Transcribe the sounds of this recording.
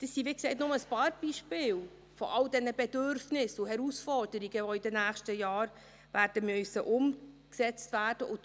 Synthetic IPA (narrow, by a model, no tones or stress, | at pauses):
d̥əsːiʋɪːkseɪtnʊməəspɑːɾb̥iːʃpɪːl | fɔ̰ʔɑld̥ɛnəbɛdøɾfnɪsʊhɛɾusfɔrd̥əɾiɡ̥əʋɔɪdənæːχʃtəjɑːɾ | ʋæːɾd̥əmœsəʔʊmksɛt͡stvæːd̥əʔʊ